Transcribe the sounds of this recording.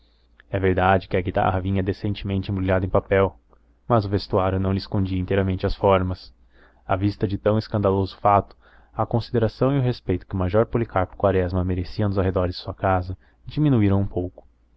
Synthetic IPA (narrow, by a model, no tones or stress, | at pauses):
ɛveɾd̪ad͡ʒɪkɪɐɡit̪a̰ɦɐvĩɲɐd̪esẽnt͡ʃɪmẽnt͡ʃɪẽbɾilʲad̪ʊẽpapɛw | mɐzʊvest̪uaɾjʊnɐ̃w̃lɪskõnd͡ʒiɐĩnt̪ejɾɐmẽnt͡ʃɪɐsfɔɾmɐs | avist̪ɐd͡ʒɪt̪ɐ̃w̃ɪskɐ̃nd̪alozʊ̥fat̪ʊ̥ | ɐkõsid̪eɾasɐ̃w̃iʊɦespejt̪ʊ̥kɪʊmaʒɔɾpolikaɾpʊ̥kwaɾɛzmɐmeɾesiɐnʊzawɦed̪ɔɾɪzd̪ɪ̥suɐkazɐ | d͡ʒiminuiɾɐ̃w̃ũpowkʊ̥